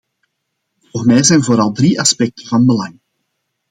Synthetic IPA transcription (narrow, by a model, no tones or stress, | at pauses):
voːrmɛjzɛːjnvoːɾɑlˠdriʔɑspɛk̚tʰəvɑnbəlɑŋ